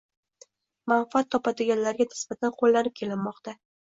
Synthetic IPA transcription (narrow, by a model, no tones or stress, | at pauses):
manfat̪ʰːɒpad̪ɪɡʲanlaɾɡʲanɪ̥sb̥at̪ʰanqʰolːanɪp̚kʲʰe̞lɪmːɒqt̪ʰa